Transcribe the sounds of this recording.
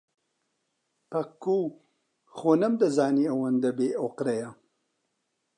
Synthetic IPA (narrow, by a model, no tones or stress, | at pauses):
pɐkːuː | xonɐmd̪ɐzaːniɐwɐnd̪ɐbeːoqɾɐjɐ